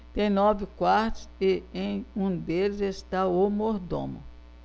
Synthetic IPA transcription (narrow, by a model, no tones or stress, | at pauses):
t̪ẽj̃nɔvɪkwaɾt̪ʊ̥sɪẽj̃ũd̪elɪzest̪aomoɾd̪õ̰mʊ̰